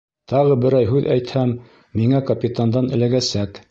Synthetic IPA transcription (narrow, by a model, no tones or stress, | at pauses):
t̪ɑʁɤbɘ̆ɾɑjɦʉðæjt̪hæmː | iŋækɐpʲit̪and̪ɑnɘ̆læɡæsæk